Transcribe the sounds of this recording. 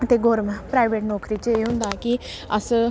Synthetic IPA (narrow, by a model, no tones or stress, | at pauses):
t̪eːɡoːɾmapɾaːɪʋeːʈnɔːkɾiːt͡ʃeːɦʊ̃nd̪aːki | əs